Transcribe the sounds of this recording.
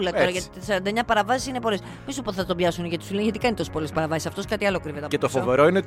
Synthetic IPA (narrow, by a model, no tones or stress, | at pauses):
lɐoɾɐʝɐt̪isɐɾɐnd̪ɐeɲɐpɐɾɐvɐsi̥sinepo̞les | misupoðθɐt̪obʝɐsuneʝɐt̪i̥sulenʝɐt̪i̥kɐnit̪o̞si̥polespɐɾɐvɐsisɐft̪o̞skɐt̪iɐlokɾivet̪eɐpet̪ofoveɾo̞ine